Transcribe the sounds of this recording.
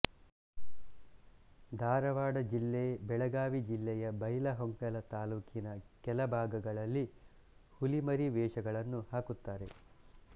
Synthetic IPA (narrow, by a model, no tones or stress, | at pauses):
d̪ʱaːɾɐʋaːɽɐd͡ʒilːebɛɭɐɡaːʋid͡ʒilːɛjɐbɐjlɐɦoŋkɐlɐt̪aːluːkinɐkɛlɐbʱaːɡɐɡɐɭɐlːi | hulimɐɾiʋɛːʂɐɡɐɭɐnːuhaːkut̪ːaːɾe̞